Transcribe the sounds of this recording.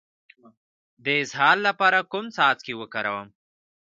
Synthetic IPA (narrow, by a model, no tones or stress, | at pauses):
d̪əɪzɦɑːlːapɑɾakʊmsɑːt͡skewəkaɾawəm